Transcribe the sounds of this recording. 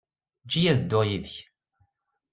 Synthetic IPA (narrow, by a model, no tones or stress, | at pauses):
d͡ʒijæðd̪ːʊʁjiðəç